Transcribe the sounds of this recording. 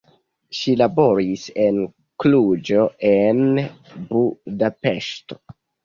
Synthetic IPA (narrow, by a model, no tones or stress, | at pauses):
ʃilabo̞ɾise̞n | klud͡ʒo̞en | budape̞ʃto̞̥